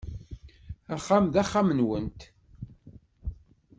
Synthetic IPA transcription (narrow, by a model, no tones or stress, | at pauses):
æχːamðæχːamənwənt̪